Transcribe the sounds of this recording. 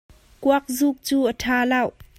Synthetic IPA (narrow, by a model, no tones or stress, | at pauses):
kuak̚zuːk̚t͡suːʔətʰaːlɐw